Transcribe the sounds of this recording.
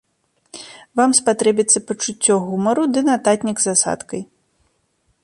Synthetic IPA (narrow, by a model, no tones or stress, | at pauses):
vamspat̪ɾɛbʲit̪sːɐpɐt͡ʂut͡sʲːɔɣumɐɾud̪ɨnat̪at̪ʲnʲiɡzasa̰t̪kɐj